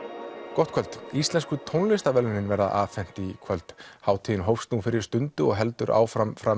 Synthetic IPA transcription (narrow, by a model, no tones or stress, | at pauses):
kɔht̪̚kʰœlt̪ist̪lɛnskʏt̪ʰownlɪst̪avɛlʏnɪnvɛɾða̰ʔaːvfɛn̥t̪ikʰvœlt̪haːwt̪ʰiɪnɦowfst̪uːfɪɾɪ̥st̪ʏnt̪ʏɔɣɦɛlt̪ʏɾʔa̰ːwfɾamfɾa